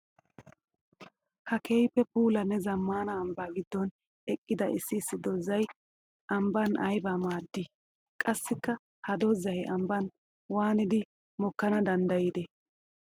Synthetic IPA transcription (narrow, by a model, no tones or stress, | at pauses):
hɐkʰejpːɛpuːlɐnːɛzɐmːaːnɐːmbaːɡɪd̪ːɔn | ɛkʼːɪd̪ɐʔɪsːɪːsːɪd̪ɔzɐj | ʔɐmbɐnɐjbamaːd̪ːɪ | kʼɐsːɪkːɐ | hɐd̪ɔzɐjɐmbɐn | waːnɪd̪ɪ | mɔkːɐnɐd̪ɐnd̪ɐjid̪ɛ